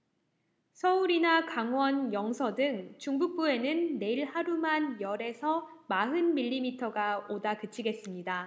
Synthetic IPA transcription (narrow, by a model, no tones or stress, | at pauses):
sʰʌuɾinakaŋwʌnjʌŋsʰʌdɯŋt͡ɕuŋbuk̚p͈ue̞nɯnːe̞iɭhaɾumanjʌɾe̞sʰʌmaɦɯnmiʎːimitʰʌɡaodakɯt͡ɕʰiɡe̞s͈ɯmɲida